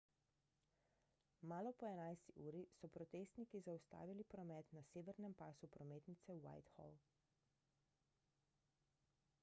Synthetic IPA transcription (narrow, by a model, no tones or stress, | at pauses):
maːlɔpɔɛnajst̪iʔuːɾisɔpɾɔt̪eːst̪nikizawst̪a̰ːʋilipɾɔmɛːt̪naseːʋɛɾnɛmpaːsupɾɔmeːt̪nit̪sɛwa̰jt̪xɔ̰l